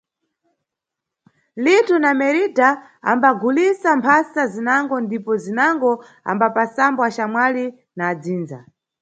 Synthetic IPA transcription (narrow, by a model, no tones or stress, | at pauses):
litunamɛɾita | a̰mbaɡulisampʰasazinaŋɡɔndipɔzinaŋɡɔ | a̰mbapasambɔat͡ʃamwali | naːd͡ziːnza̰